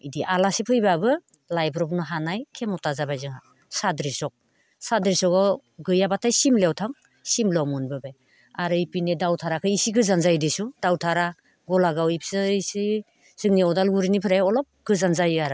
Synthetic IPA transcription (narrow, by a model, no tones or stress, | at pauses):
idiʔalasipʰɯjbabɯ | lajbɾɔpnɯɦanajkʰemɔtazabajzɯŋa | sadɾisɔk̚ | sadɾisɔkaw | ɡɯjabatʰajsimlewtʰaŋ | simlɔmunbɯbaj | aɾɯipinedawtʰaɾakʰɯisiɡɯzanzajdisud̥awtʰaɾa | ɡɔlaɡawipʰsɯisi | z̥ɯŋniɔdalɡuɾinipʰɯɾajɔlɔp̚ɡ̥ɯzanzajaɾa